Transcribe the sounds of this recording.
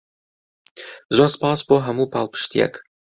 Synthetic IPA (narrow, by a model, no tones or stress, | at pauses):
zaspaːspɔɦamupalˠpʃt̪ʲiɛ̰k